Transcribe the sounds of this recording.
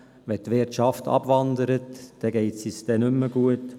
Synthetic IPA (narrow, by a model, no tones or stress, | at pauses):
ʋɛtʋɪrtʃɑftɑ̰bvɑndəɾətd̥ɛɡeɪtsisd̥ɛnʏmːəɡ̥uət